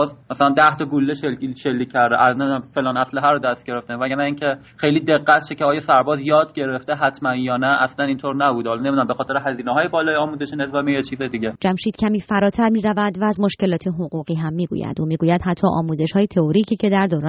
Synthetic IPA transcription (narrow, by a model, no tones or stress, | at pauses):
zmæsælænd̪æht̪ɒɡulːeʃelʃelːiːcʰʲːæɾd̪eʔænemd̪æmfelɒːnæsleɦæɾod̪æst̪̚ɟe̞ɾeft̪evæɡæɾnæiːncʰe | xejliːd̪e̞ɡːæt̪ʰʃeceɒːjɒsæɾbɒːzjɒːd̪ɟe̞ɾeft̪eɦæt̪ʰmænjɒːnæʔæslænint̪ʰoɾnæbuːd̪eɒlɒne̞mid̪næmbexɒːt̪ʰe̞ɾeɦæziːneɦɒːjebɒːlɒːjeɒːmuzeʃenezbæmejet͡ʃʰiːzed̪iɟʲed͡ʒæmʃiːt̪cʲʰæmiːfæɾɒːt̪ʰæɾmiːɾævæd̪væːzmoʃce̞lɒːt̪ʰeɦoɣuːɣiːɦæmːiːɡṵːjæ̰nd̪uːmiːɡuːjæd̪hæt̪ʰːɒːʔɒ̰ːmuːze̞ʃhɒːjet̪ʰeoɾiːcʰiːcʰe̞d̪æɾd̪oːɾɒː